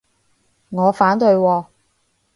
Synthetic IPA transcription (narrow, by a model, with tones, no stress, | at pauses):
ŋɔː˨˧faː˨˥nt̪ɵ˧ɥwɔː˧